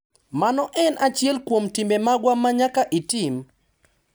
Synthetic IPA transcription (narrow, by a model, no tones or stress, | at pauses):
manɔʔɛnʔat͡ʃjɛlkwomtimbemaɡwamːaɲakaʔitim